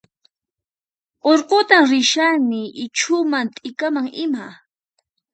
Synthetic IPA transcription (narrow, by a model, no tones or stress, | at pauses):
oɾqot̪amɾɪʃanɪʔɪt͡ʃʰʊmant̪ʼɪkamaŋɪma